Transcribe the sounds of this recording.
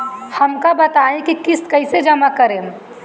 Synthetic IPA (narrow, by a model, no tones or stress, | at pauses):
hɐmkabɐt̪aːẽkikɪskɐɪsed͡ʒɐmakɐɾẽː